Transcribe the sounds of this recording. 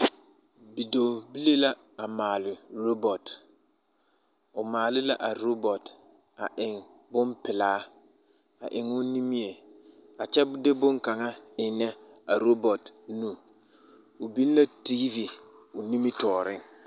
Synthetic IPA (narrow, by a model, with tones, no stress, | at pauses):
bi˨do˨bi˦le˦la˦ | a˨maː˨lɪ˨ɾo˦bɔ˨t | ʊ˨maː˨lɪ˦la˦ʔa˨ɾo˦bɔ˨t | a˨ʔɪ˨ŋ | bʊ˦mpɪ˨laː˨˦ | a̰˨ʔɪ˨ŋʊ˦ni˦mi˦e˨a˨t͡ʃɛ˦dɪ˦bʊ˦ŋka˨ŋa˦ɪ˨nɛ˦a˨ɾo˦bɔ˨tnũ˦˨ | ʊ˨bi˦n˦la˦tiː˦vi˨ | ʊ˨ni˦mi˦tɔː˨ɾɪ˦ŋ